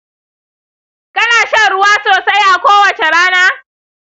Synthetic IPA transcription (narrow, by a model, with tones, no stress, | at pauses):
kʼɐ˦naː˨ʃɐ˦ɽʊ˦waː˦soː˨sa˦jʔa˨kʷoː˦wɐ˨t͡ʃe˨ɽaː˦naː˦